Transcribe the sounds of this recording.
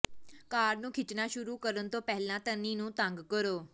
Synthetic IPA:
kaːɾnũːkʰɪt͡ʃnaʃʊɾukəɾənt̪opɛɦɪlãt̪əninũːt̪ãŋɡkəɾoː

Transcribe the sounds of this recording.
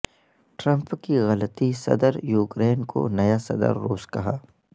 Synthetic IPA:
ʈɾɐ̃mpkiɣɐlət̪isɐ̰d̪əɾjuːkɾeːnko̰nɐjasɐ̰d̪ə̰ɾːuːskɐɦaː

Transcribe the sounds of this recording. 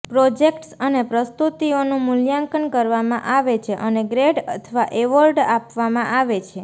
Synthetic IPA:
pɾod͡ʒekʈsənepɾəst̪ut̪ionũmʊljãŋkənkəɾʋamãʔaʋet͡ʃʰeʔəneɡɾeɖə̰t̪ʰəʋaʔeʋəɾɖapʋamãʔaʋet͡ʃʰe

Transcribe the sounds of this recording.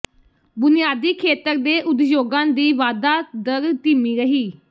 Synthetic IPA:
bʊnɪjaːd̪iːkʰeːt̪əɾd̪eːʔʊd̪d͡ʒoːɡãːnd̪iːʋaːd̪aːd̪əɾt̪iːmiːɾəɦiː

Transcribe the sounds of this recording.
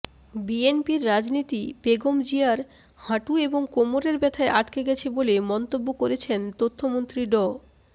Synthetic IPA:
bienpiɾːad͡ʑnit̪ibeɡomd͡ʑiaɾ | haʈueboŋkomoɾeɾbɛt̪ʰaeʔaʈkeɡɛt͡ɕʰebolemɔnt̪obːokoɾet͡ɕʰent̪ot̪ʰːomont̪ɾiɖɔ

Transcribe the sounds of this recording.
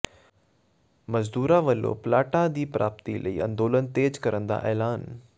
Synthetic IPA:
mɐzd̪uːɾaʋəlo̰plaːʈad̪iːpɾaːp̚t̪ilʔɐḭːʔɐ̰̃nd̪oːlənt̪eːd͡ʑkɐɾə̃nd̪a̰ʔɛːlaːn

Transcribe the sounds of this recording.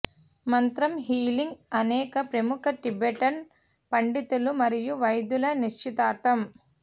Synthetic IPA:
mɐnt̪ɾɐmɦiːliŋɡɐnɛːkɐpɾɐmukʰɐʈibɛʈɐn | pɐɳɖit̪ulumɐɾijuʋɐjd̪ulɐniʂt͡ʃit̪aːt̪ɐm

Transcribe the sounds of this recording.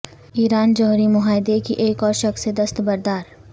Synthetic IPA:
iːɾaːnd͡ʒɔɦɾimʊɦaːɪd̪ekḭʔeːkɔːɾʃɐxsed̪ɐst̪bɐɾd̪aːɾ

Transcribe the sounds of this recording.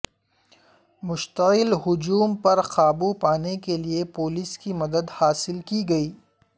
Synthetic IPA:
mʊʃt̪əɪlɦʊd͡ʒuːmpɐɾxaːbupaːnekeliepoːliskimɐd̪əd̪haːsɪlkiɡɐiː

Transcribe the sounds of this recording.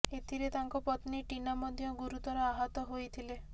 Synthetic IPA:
et̪ʰiɾet̪aŋkɔpɔt̪niʈinamɔd̪ʱjɔɡuɾut̪ɔɾɔaɦɔt̪ɔɦojt̪ʰile

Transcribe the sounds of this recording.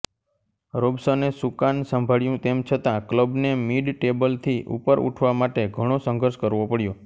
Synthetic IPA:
ɾobsənesukansəmbʱaɭjũt̪emt͡ʃʰət̪ãkləbnemiɖʈebəlt̪ʰiʔṵpəɾṵʈʰʋamaʈeɡʱəɽ̃osə̃ŋɡʱəɾʃkəɾʋopəɽjo

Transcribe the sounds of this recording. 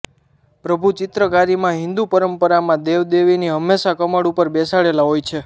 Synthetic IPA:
pɾəbʱut͡ʃɪt̪ɾəkaɾimãɦɪ̃nd̪upəɾəmpəɾamãd̪eʋd̪eʋiniɦəmːeʃakəməɽupəɾbɛsaɭelaɦojt͡ʃʰe

